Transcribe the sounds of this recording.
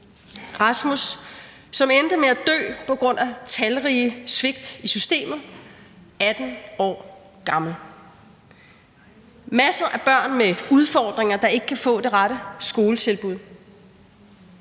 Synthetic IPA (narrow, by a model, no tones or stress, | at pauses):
ʁɑ̈smusː | ɒ̽mend̥əmeæd̥ø̰ːpʰɒ̽ɡ̥ʁɔ̽n̰æt͡sʰælʁiːəsʋe̝ɡ̥̚d̥isysd̥e̝̰ːmð̩ˠ | æd̥n̩ɒ̰ː | ɡ̥ɑ̈ml̩ | mæsɐʔæb̥ɶɐ̰nmeuð̞ˠfɒːd̥ʁeŋɐd̥ɑ̈e̝ɡ̥ə̥kʰæfɔ̰̽ːd̥e̝ʁɑɾəsɡ̥o̝ːlət͡sʰe̝lb̥uð̞̰ˠ